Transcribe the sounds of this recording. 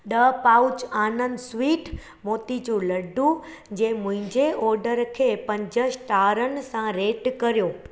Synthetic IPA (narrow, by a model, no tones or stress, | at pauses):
ɗəpaut͡ɕaːnənd̪sʋiːʈ | moːt̪it͡ɕũləɖũ | d͡ʑemʊ̃ɦɪ̃ɲd͡ʑeʔɔɾɖəɾkʰepɐ̃ɲd͡ʑəsʈaɾənsãɾeːʈkəɾjoː